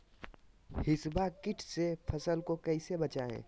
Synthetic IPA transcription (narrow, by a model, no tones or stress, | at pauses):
hɪsbakɪʈʰsepʰɐsəlkokɐisebɐt͡ʃaḛ̃ː